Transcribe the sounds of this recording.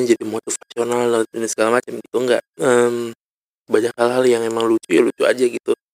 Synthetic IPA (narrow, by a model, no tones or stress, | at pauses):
d͡ʒadimotufasionalnatunɪsə̥kalamat͡ʃamɡit̪uŋɡa̰ʔəm | baɲakhalɦaljaŋemaŋlut͡ʃujalut͡ʃua̰d͡ʒaɡit̪u